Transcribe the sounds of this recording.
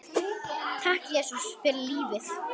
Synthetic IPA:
t̪ʰahkjɛːsusfɪɾɪliːvɪθ

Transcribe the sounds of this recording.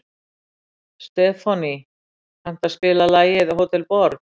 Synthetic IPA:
st̪ɛːfani | han̥t̪aspɪːlalaːjɪðɦoːwt̪ʰɛlpɔɾt̪

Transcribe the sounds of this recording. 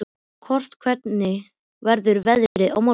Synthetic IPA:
kʰɔr̥st̪kʰvɛt̪nɪ | vɛɾðʏɾvɛðɾɪʔa̰wma

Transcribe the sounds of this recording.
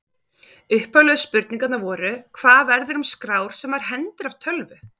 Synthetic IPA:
ʏhpalœðʏspʏɾt̪niŋkat̪navɔːɾʏkʰv̥aːðvɛɾðɪɾʏmskɾaːwɾ̥sɛmvaɾ̥ɦɛnt̪ɪɾavt̪ʰœlvʏ

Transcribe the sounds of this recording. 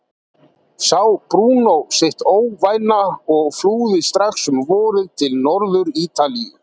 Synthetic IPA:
sawpɾuːnowsejht̪oːwvaːjnaɔɣfluːðɪst̪ɾaxsʏmvɔːɾɪðt̪ʰɪlnɔɾðʏɾiːt̪alijʏ̰

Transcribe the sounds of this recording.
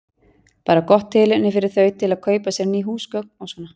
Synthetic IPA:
paːɾakɔht̪ʰːɪːlɪnːɪfɪɾɪɾ̥θœːɥt̪ʰɪlaðkʰœːɥpasjɛɾniːɦuːskœk̚nawsɔːnːa

